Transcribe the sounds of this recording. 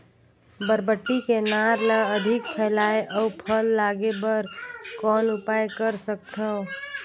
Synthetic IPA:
bəɾbəʈːikenaːɾləəd̪ʱɪk̚pʰɛːlaːeʔɔʊpʰəlːaːɡebəɾkɔːnʊpaːjkəɾsək̚t̪əo

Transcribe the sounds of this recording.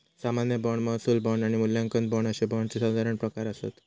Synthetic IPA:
samanjəbɔɳməɦsuːlbɔɳaɽ̃imuljãŋkən̚bɔɳəɕebɔɳt͡sesad̪ʱaɾəɳpɾəkaɾəsḛt̪

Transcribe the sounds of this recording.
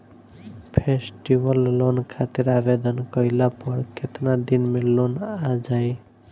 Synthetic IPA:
pʰesʈiwɔlːonkʰat̪iɾabed̪ɔnkɔilapɔɾkʰet̪nad̪inmelonad͡ʒaj

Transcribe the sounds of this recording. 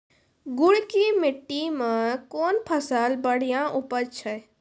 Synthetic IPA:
ɡʊɽkimɪʈːimə̃koːnpʰəsaːlbəɽ̤ijãʔʊpət͡ʃʰə

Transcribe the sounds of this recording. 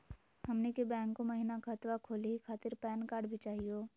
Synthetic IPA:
hɐmnekebɛ̃ːŋkːomɐɦinakʰaːt̪ʋakʰoːliɦikʰaːt̪ɪɾpɛːnkaːɾɖbʱit͡ʃaːɦioː

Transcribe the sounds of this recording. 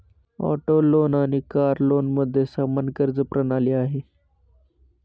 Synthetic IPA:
ɔ̰ːʈoloːnaːnikaːɾloːnməd̪ʱːjesamənkəɾzəpɾənaːliaːɦeː

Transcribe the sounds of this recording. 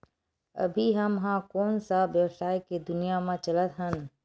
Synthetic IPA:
ə̰bʱiɦəmɦãkoːnsabjəwsaːjked̪ʊnijamãt͡ʃələt̪ɦən

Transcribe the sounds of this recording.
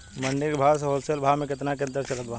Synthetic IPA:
mɐɳɖɪkbʱaːs̬ɦoːlselbʱaːmẽk̬ɪt̪nak̬eɐnt̪əɾt͡ʃɐlɐɡ̪ʋã

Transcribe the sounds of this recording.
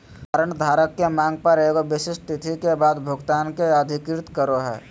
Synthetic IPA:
aːɾəɳ̃d̪ʱaːɾəkːemãːŋɡ̚pɐɾeːɡoʋɪsɪʃʈ̪ɪt̪ʰikebaːd̪bʱʊɡt̪aːnkeəd̪ʱɪkɾɪt̪kəɾoɦɛ̰ː

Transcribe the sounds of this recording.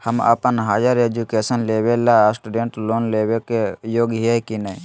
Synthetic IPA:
həma̰pənɦaːd͡ʒaɾeːd͡ʒukesənleːʋelasʈuɖeɳʈloːnleːʋekejoːɡɦekinaĩ

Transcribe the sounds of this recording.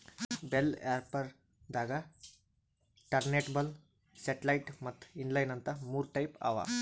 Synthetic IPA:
belḛaɾpɐɾ | d̪aːɡa | ʈɐɾneʈbɐl | seʈlɐjʈmɐt̪ʰːinlajnɐnt̪ɐmuːɾʈajpa̰ʋa̰

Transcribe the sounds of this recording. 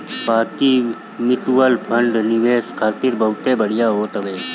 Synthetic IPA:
baːki | mɪt̪uwəlpʰə̃ɳɖnɪʋeːskʰaːt̪ɪɾbɐɦʊt̪ebəɽ̤ijaɦoːt̪əʋeː

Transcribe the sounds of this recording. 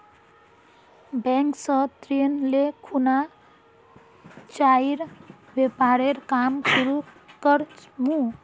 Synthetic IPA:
beŋksʌt̪ɾinlekʰuna | t͡ʃaiɾbepaɾeɾkamsuɾu | kʌɾt͡ʃmu

